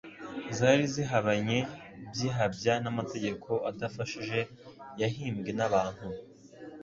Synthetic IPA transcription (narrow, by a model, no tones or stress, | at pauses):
zaɾiziɦaβaɲe̞bjiɦabɟanamate̞ɟe̞kʰo̞ʔadafaʃiʒe̞ | jaɦiːmɡe̞naβaːn̥hu